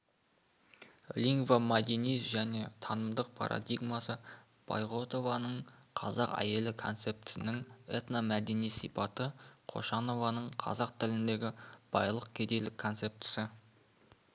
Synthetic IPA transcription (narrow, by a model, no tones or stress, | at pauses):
lʲiŋɡvamad̪ʲinisʒæne̞t̪ʰɑnəmd̪əq̚pʰɑ̰ɾʔa̰d̪ijɡmasə | b̥a̰jʁo̞t̪o̞vɑnəɴqʰɑ̰zɑqæ̰je̞lɪkʰo̞nt̪se̞p̚t̪ɪ̥sɪnɪŋet̪namæd̪e̞nijsḭjpɑt̪əqʰo̞̰ʃɑno̞vɑnəɴqʰɑ̰zɑqt̪ʰɪlɪnd̪e̞ɡʲɪb̥ɑjlˠəq̚kʲʰed̪e̞lɪkʰːo̞nt̪se̞p̚t̪ɪ̥sɪ